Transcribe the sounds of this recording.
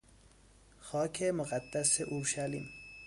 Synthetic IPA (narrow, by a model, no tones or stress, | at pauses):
xɒːkʰemoɣæd̪ːaseʔuɾʃalḭm